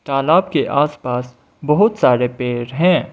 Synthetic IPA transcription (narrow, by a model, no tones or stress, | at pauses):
t̪aːlaːbkeʔaːspaːs | bɐɦʊt̪saːɾepeːɾɦɛ̃ː